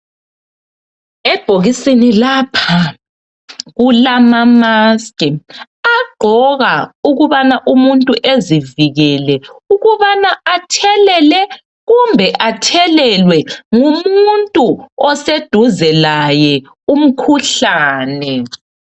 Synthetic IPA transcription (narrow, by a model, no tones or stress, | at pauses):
ɛb̥ʱoɣisinilapʰa | ɣulamamaskʼɛ | aɡ͡ǃʱɔɣauɣuβanaʔumuntʼuʔeziviɣɛlɛuɣuβanaatʰɛlɛlɛ | ɣumbʱɛʔatʰɛlɛlwɛŋumuntʼuɔsed̥ʱuzɛlajɛ | um̩kʰuɬaːnɛ